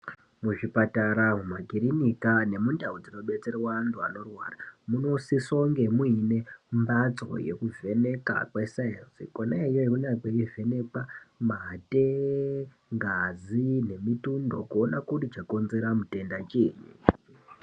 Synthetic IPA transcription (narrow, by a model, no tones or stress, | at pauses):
muʐipataɾamumaɡʱiɾinikane̞mundaud͡zino̞ɓe̞t͡se̞rewantʰua̰no̞rwa̰ːramuno̞sisoŋɡe̞muine̞mbat͡so̞̰je̞̰kuve̞ne̞ka̰kwesainsḭkonaejoekunakweive̞ne̞kamate | ŋɡazine̞mitundo̞̰kuonakurit͡ʃako̞nze̞ɾamute̞ndat͡ʃieːɲi